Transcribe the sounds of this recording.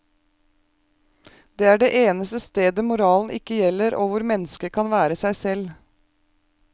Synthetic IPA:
d̪eːæːɖeːʔeːnəst̪əst̪eːd̪əmʊɾɑːln̩ʔɪkəjɛləɾʔoːʋʊɾmɛnəskəkʰɑnʋæːɾəsæɪsɛl

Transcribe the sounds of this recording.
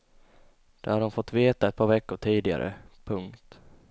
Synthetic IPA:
d̪̥ɛɾhaɖɔmfɔt̪ːveːt̪aɛt̪̚pʰɑːɾvɛkːʊʈʰiːd̪ɪɡa̰ɾʔə̰pʰɵŋkt̪

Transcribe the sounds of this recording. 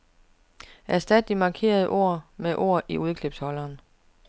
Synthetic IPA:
æɐsd̥æd̥d̥imɑ̈kʰe̝̰ːɐð̞ˠəʔo̝ɐ̰meʔo̝̰ɐ̰ʔiʔuð̞ˠkʰle̝b̥shɒ̽lɐːn

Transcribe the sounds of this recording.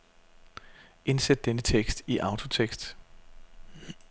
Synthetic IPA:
ʔe̝nsed̥̚ːenət͡sʰeɡ̥sd̥iʔɑ̈ʊt͡sʰo̝t͡sʰeɡ̥sd̥

